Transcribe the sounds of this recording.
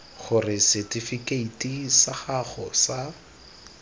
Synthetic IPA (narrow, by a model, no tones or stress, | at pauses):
χʊrɪsɛtifikʼeitʼisaχaχɔsa